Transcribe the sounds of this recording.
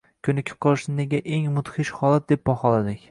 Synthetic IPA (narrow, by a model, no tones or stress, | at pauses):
kʲʰʊnɪkʲʰɪ̥p̚qʰɒlˠɪʃnɪneɡʲaʔeŋmʊt̪χɪʃχɒlˠat̪̚d̪ep̚bɒχɒlad̪ɪkʲ